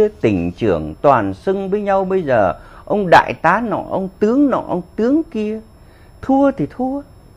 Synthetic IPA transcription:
t̪ï˧˩ŋ̟t͡ɕɨ̰˧˩əŋt̪waː˨˩nsɨ˧ŋvəː˨˦jɲa˧wɓə˧jzəː˨˩ʔə˧wŋ͡mɗa̰ː˧˨jt̪aː˨˦nɔ̰˧˩ʔə˧wŋ͡mt̪ɨ˨˦əŋnɔ̰˧˨ʔə˧wŋ͡mt̪ɨ˨˦əŋki˧ə | t̪ʰu˧ət̪ʰi˨˩t̪ʰu˧ə

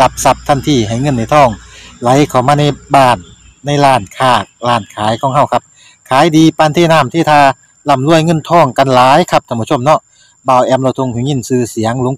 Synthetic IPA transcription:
la˧p̚sa˧p̚t̪ʰa˧˥˩nt̪ʰiː˧˩ɦa˨˩jŋɤ˧˥˨nːa˧˩jt̪ʰɔː˧˩ŋla˨˦jkʰa˨˩wmaː˧na˧˨jbaː˧˩nː | a˧˩jlaː˧˩nkʰaː˧˩k̚laː˧˩nkʰaː˨˦jkʰɔː˨˧˦ŋɦa˧˩wkʰa˧p̚ | kʰaː˨˦jdiː˧paː˧˨nt̪ʰeː˧˩˨naː˧˩˨mt̪ʰeː˧˩t̪ʰaː˧ | la˧˩˨mlu˧˥˩əjŋɤ˧˥˨nt̪ʰɔː˧˩ŋka˧˨nlaː˨˦jkʰa˧˥p̚t̪ʰa˧˨bu˧˨o˧˨mnɔ˧ | baː˧˩wʔɛː˧˥mla˧˩wt̪ʰo˧˨ŋkʰɯ˧˦ŋi˧˥˨nsɯː˧˩si˨˦əŋlo˧˦ŋ

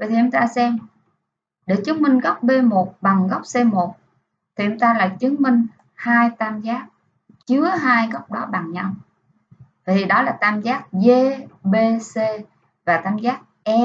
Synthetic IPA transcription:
vaə˨˩t̪i˨˩˨ə˧mŋ͡mt̪aː˧sɛ˧m | ɗe˧˩t͡ɕɨ˨˦ənmï˧ŋ̟ɣə˦˥k͡p̚ɓe˧mo˨˩t̚ɓa˨˩ŋɣə˦˥k͡p̚se˧mo˨˩t̚ | t̪ʰi˨˩ʔʊ˧ŋ͡mt̪aː˧laː˨˩t͡ɕɨ˨˦əŋmï˧ŋ̟ | haː˧jt̪aː˧mzaː˦˥k̚ | t͡ɕɨ˨˦əɦaː˧jɣɔ˦˥wk͡p̚ɗɔ˨˦ɓa˨˩ŋɲa˧w | va˨˩t̪ʰi˨˩ɗɔ˨˦laː˨˩t̪aː˧mzaː˦˥k̚ve˧ɓe˧se˧ | vaː˨˩t̪aː˧mzaː˦˥k̚ʔɛ˧

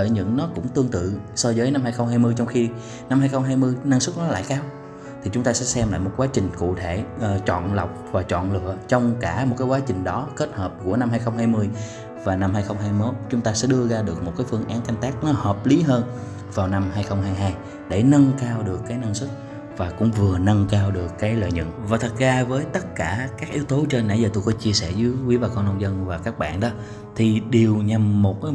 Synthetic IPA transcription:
əː˧˨˩jɲɨ̰˧˥ŋnɔ˨˦kʊ̰˧˥ŋ͡mt̪ɨ˧əŋt̪ɨ̰˧˨sɔ˧zəː˨˦jna˧mhaː˧jxə˧wŋ͡mhɦaː˧jmɨ˧əjt͡ɕɔ˧ŋ͡mxi˧ | na˧mhaː˧jxə˧wŋ͡mɦaː˧jmɨ˧əjna˧ŋsɨ˦˥t̚nɔ˨˦la̰ː˧˨jkaː˧w | t̪ʰi˨˩t͡ɕʊ˨˦ŋ͡mt̪aː˧sɛ̰˧˥sɛ˧mla̰ː˧˨jmo˨˩t̚kwaː˨˦t͡ɕï˨˩ŋ̟kṵ˧˨t̪ʰe˧˩ʔt͡ɕɔ̰˧˨nla˨˩wk͡p̚vaː˨˩t͡ɕɔ̰˧˨nlɨ̰˧˨ət͡ɕɔ˧wŋ͡mkaː˧˩m˨˩t̚kaː˨˦kwaː˨˦t͡ɕï˨˩ŋ̟ɗɔ˨˦ke˦˥t̚həː˨˩p̚ku˧˩əna˧mhaː˧jxə˧wŋ͡mɦaː˧jmɨ˧əj | vaː˨˩na˧mhaː˧jxə˧wŋ͡mɦaː˧jmo˦˥t̚t͡ɕʊ˨˦ŋ͡mt̪aː˧sɛ̰˧˥ɗɨ˧əzaː˧ɗɨ˨˩ək̚mo˨˩t̚kaː˨˦jfɨ˧əŋʔaː˨˦nka˧jŋ̟t̪aː˦˥k̚nɔ˨˦həː˨˩p̚li˨˦ɦəː˧n | vaː˨˩wna˧mhaː˧jxə˧wŋ͡mhaː˧jɦaː˧j | ɗe˧˩nə˧nkaː˧wɗɨ˨˩əkːaː˨˦jnə˧ŋsɨ˦˥t̚ | vaː˨˩kʊ̰˧˥ŋ͡mvɨ˨˩ənə˧ŋkaː˧wɗɨ˨˩əkːaː˨˦jlə̰ː˧˨jɲə̰˧˨nvaː˨˩t̪ʰɨ˨˩t̚zaː˧vəː˨˦jt̪ə˦˥t̚kaː˧˩kaː˦˥k̚ʔi˨˦wt̪o˨˦t͡ɕɔ˧nːa̰˧˩jzəː˨˩t̪o˧˩jkɔ˨˦t͡ɕi˧əsɛ˧˩zɨ˨˦wi˨˦vaː˨˩kɔ˧nə˧wŋ͡mzə˧nvaː˨˩kaː˦˥k̚ɓa̰ː˧˨nɗɔ˨˦ | t̪ʰi˨˩ɗe˨˩əwɲa˨˩mːo˨˩t̚

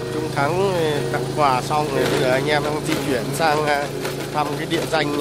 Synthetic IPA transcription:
t͡ɕʊ˧ŋ͡mt̪ʰa˨˦ŋt̪a̰ː˧˨ŋkwaː˧˩sa˧wŋ͡mɓə˧jzəː˨˩ʔa˧jŋ̟ʔaː˧mɗaː˧ŋzḭ˧t͡ɕwi˧˩ənsaː˧ŋa˧ | t̪ʰa˧mkaː˨˦jɗḭ˧˨əza˧jŋ̟

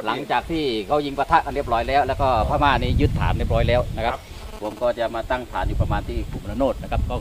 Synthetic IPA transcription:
la˩˦ŋt͡ɕaː˨˩k̚t̪ʰiː˥˩kʰa˦˥˩wji˧ŋpa˧t̪ʰa˦˥ʔa˧nɾi˥˩əp̚ɾɔː˦˥jlɛː˦˥wlɛː˦˥wkɔː˥˩pʰaː˧˩maː˥˩˧nːiː˦˥˩jɯ˦˥t̪ʰːa̰ː˩˦nɾi˥˩əp̚ɾɔː˦˥jlɛː˦˥wna˦˥kʰa˦˥˦p̚ | pʰo˨˧˦mkɔː˥˩t͡ɕa˨˩maː˧t̪a˥˩ŋt̪ʰa̰ː˩˦njuː˦˧˩pɾa˧maː˧nt̪ʰiː˥˩kʰu˨˩m˧na˧noː˥˩t̪̚na˦˥kʰa˦˥p̚kɔː˥˩

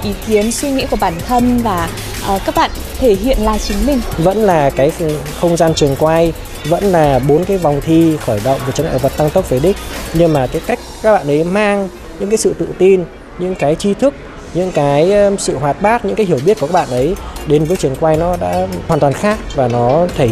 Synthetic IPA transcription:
ʔi˨˦ki˨˦ənswi˧ŋḭ˧˥ku˧˩əɓaː˧˩nt̪ʰə˧nvaː˨˩ | ʔəː˨˩kaː˦˥k̚ɓa̰ː˧˨nt̪ʰe˧˩ɦḭ˧˨ənlaː˨˩t͡ɕɨ˨˦ŋ̟mï˧˩ŋ̟və̰˧˥nlaː˨˩kaː˨˦j | xə˧wŋ͡mzaː˧nt͡ɕɨ˨˩əŋkwaː˧j | və̰˧˥nlaː˨˩ɓo˨˦nkaː˨˦jva˨˩wŋ͡mt̪ʰi˧xɔ˧˩jɗə̰˧˨wŋ͡mvə˨˩t͡ɕŋʔa̰ː˧˨˩və˨˩t̚t̪a˧ŋt̪ə˦˥p̚ve˨˦ɗï˦˥k̟̚ɲɨ˧ŋmaː˨˩t̪i˨˦ka˦˥jk̟̚kaː˦˥k̚ɓa̰ː˧˨nʔə˨˦jmaː˧ŋ | ɲɨ̰˧˥ŋkaː˨˦jsɨ̰˧˨t̪ɨ̰˧˨t̪i˧n | ɲɨ̰˧˥ŋkaː˨˦jt͡ɕi˧t̪ʰɨ˦˥k̚ | ɲɨ̰˧˥ŋkaː˨˦jsɨ̰˧˨ɦwaː˨˩t̚ɓaː˦˥t̚ɲɨ̰˧˥ŋkaː˨˦jɦi˧˩wɓi˦˥t̚kːka˦˥ɓa̰ː˧˨nʔə˨˦jɗe˨˦nvəː˨˦jt͡ɕɨ˨˩əŋkwaː˧jnɔ˨˦ɗa̰ː˧˥haː˨˩nt̪waː˨˩nxaː˦˥k̚vaː˨˩nɔ˨˦t̪ʰe˧˩

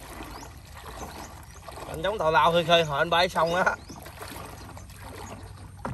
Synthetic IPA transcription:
kɔ̰˨˩nt͡ɕɔ˨˦wŋ͡mt̪ɔ˨˩laː˧˨wt̪ʰɨ˨˧˩kʰəː˧jɦɔː˨˩˨ʔə˧nɓa˧˩˦jsa˧wŋ͡maː˧˥

